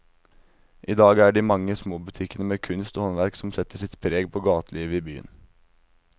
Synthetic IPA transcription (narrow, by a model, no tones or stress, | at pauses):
ʔiːd̪ɑːɡæːɖiːmɑŋːəsmoːbʉt̪ʰɪkənəmeːkʰʉnst̪oːhɔnʋæɾksɔmsɛt̪əʂɪt̪pʰɾeːɡpʰoːɡɑːt̪əliːʋəiːby̰ːə̰n